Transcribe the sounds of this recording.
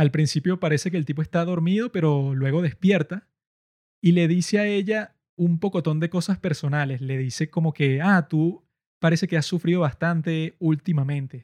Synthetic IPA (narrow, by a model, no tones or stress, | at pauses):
alpɾinsipjo̞paɾe̞se̞k̬eːlt̪ipoe̞st̪aðo̞ɾmiðo̞pe̞ɾo̞lwe̞ɣ̞o̞ð̞e̞spje̞ɾt̪a | ile̞ðise̞ae̞ʝa | umpo̞ko̞t̪o̞nd̪e̞ko̞saspe̞ɾso̞nale̞sle̞ðise̞ko̞mo̞ke̞at̪u | paɾe̞se̞ke̞asːufɾið̞o̞β̞ast̪ant̪e̞ult̪imamẽ̞nt̪e̞